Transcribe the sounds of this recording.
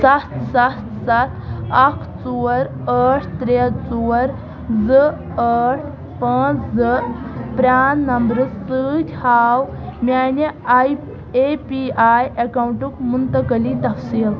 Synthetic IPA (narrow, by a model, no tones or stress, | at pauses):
sat̪sat̪sat̪ʰɐkʰt͡suəɾ | əʈʰt̪ɾet͡suəɾ | d͡zə | əʈʰ | pat͡szəpɾanːɐmbɾɨssɨtʲhaw | manej | epiajɐkawɳʈukmunt̪əkəlit̪ɐfsiːl